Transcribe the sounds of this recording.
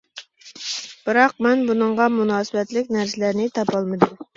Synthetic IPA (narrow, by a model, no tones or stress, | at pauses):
b̥ɨɾɑq̚mɛnbunɨɴʁɑmunɑːsɨbɛt̪lɪkʲnæɾsɪlæɾnɪt̪ʰɑpɑlˠmɨd̪um